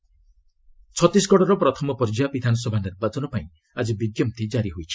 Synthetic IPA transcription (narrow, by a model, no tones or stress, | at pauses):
t͡ʃʰɔt̪is̬ɡɔɽɔɾɔpɾɔt̪ʰɔmɔpɔɾd͡ʒabid̪ʱanɔsɔbʱaniɾbad͡ʒɔnɔpaĩ | ad͡ʒibiɡjɔmt̪ʰid͡ʒaɾiɦojt͡ʃʰi̥